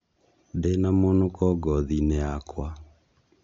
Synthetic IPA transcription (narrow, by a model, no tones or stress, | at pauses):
denamonokɔɡɔðineakwa